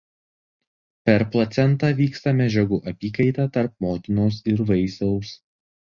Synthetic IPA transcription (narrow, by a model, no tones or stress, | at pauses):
pʲɛɾplˠɐt̪sʲɛnˑt̪ɑːʋʲiːkst̪ɐmʲɛd͡ʒʲɛɡuːʔɐpʲiːkɐɪt̪ɑt̪ɐɾp̚moːt̪ʲɪnoːsɪɾʋɐɪsɐʊs